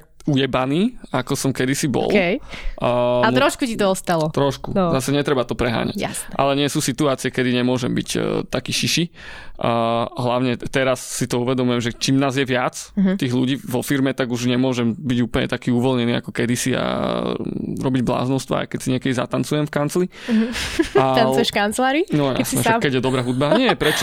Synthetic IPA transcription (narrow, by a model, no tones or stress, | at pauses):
ujɛbaniːakɔsɔmkɛd̪isibɔ̰lj | mɾɔʃkucit̪ɔɔst̪alɔt̪ɾɔʃkuzasɛɲɛt̪ɾɛbat̪ɔpɾɛɦa̰ːɲa̰casʔa̰lɛɲɪɛsuːsit̪uaːt͡siɪɛkɛd̪iɲɛmʊɔʒɛmbḭct̪akiːʃiʃi | ɦlaʊɲɛt̪ɛɾasːit̪ɔuʋɛd̪ɔmujɛmʒɛt͡ʃiːmnaːzjɛʋɪat͡st̪iːɣluɟiːʋɔfiɾmɛt̪aɡuʒɲɛmʊɔʒɛmbiɟuːplɲɛ̰t̪akiːuʋɔlɲɛniːa̰kɔkɛd̪isia̰ | ɾɔbiɟbla̰ːznɔʊst̪ʋa̰a̰jkɛcsiɲɪɛkɛd̪iza̰t̪ant͡sujɛmfkant͡sli | aanʃkant͡slaːɾinɔja̰snɛʒɛkɛɟjɛd̪ɔbɾaːɦud̪̚baɲɪɛpɾɛt͡ʃɔ